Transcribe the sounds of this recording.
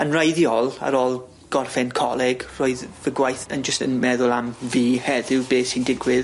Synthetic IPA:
ənrajðjɔlˠa̰ɾoːlˠ | ɡ̥ɔrfɛnkʰɔlˠɛɡroːɨðvəɡwajθənd͡ʒəstənmɛðʊlˠamviːhɛðɪwbeːsindɪɡwɪð

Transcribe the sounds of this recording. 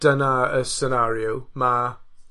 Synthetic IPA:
d̥ənaəsənaɾjuma

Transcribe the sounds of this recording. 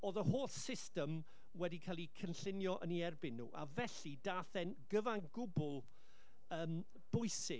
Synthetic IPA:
oðəhoːθsɪstəm | wɛdikʰaːlˠikʰənɬɪnjɔʔəniɛrbɪnːṵːʔa̰vɛɬidaːθɛnɡəvanɡʊbʊlˠ | əːm | b̥ʊɨsɪ

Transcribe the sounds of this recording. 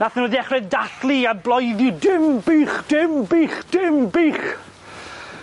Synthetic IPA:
naθənwɛðiɛχrɨðdaɬlianblˠɔjðjʊdɪmbiːχd̥ɪmbiːχd̥ɪmbiːχ

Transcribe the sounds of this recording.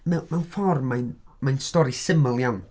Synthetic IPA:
mɛmawnfɔrmːajnmajnstɔɾisɪməlˠjawn

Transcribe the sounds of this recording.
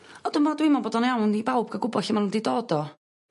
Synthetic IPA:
ɔd̥ʊnmaadwɪmɔnboːdɔnjawnibawb̚ɡaɡʊbɔɬɪmanundidoːdɔ

